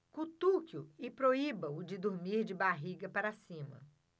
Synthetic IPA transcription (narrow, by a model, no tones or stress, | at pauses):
kut̪ukjʊɪpɾoibɐʊd͡ʒɪd̪oɾmiɾd͡ʒɪbaɦiɡɐpaɾasĩmɐ̰